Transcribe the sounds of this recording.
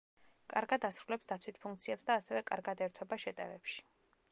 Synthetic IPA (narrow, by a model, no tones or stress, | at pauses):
kʼaɾɡad̪asɾulɛpsd̪at̪sʰwit̪̚ʰpʰuŋkt̪sʰiɛpsd̪aːsɛvɛkʼa̰ɾɡad̪ɛɾt̪ʰwɛbaʃɛt̪ʼɛ̰ɾɛpʃi̥